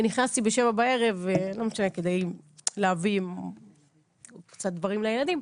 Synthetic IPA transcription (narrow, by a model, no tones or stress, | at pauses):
niχnast̪ibeʃe̞vabae̞ʁe̞vlo̞meʃane̞ke̞d̪ejleavi | kt͡sat̪̚d̪vaʁimlejelad̪im